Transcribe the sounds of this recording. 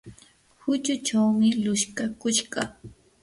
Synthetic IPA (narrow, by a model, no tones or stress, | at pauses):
hʊt͡ʃʊt͡ʃawmɪlʊʃkakʊʃɢɑ